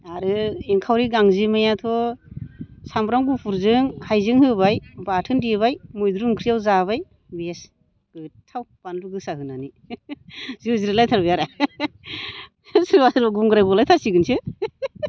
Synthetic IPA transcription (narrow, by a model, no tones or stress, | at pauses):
aɾɯiŋkʰawɾiɡaŋzimajatʰɔ | sambɾaŋɡupʰuɾzɯŋhajzɯŋhɯbajbatʰɯndiβajmujd̪ɾumkʰɾijawzaβaj | bes | ɡ̥ɯtʰawbanluɡɯsaɦɯnani | ziziɾilajtʰaɾbɯjaɾa | sɯɾbasʰɯɾaɡuŋɡɯɾajbɔlajtʰasiɡɯnsɯ